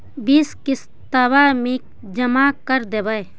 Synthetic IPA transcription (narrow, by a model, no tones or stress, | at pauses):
biːskɪs | t̪abamik̚ | d͡ʒəmaːkəɾd̪ebəj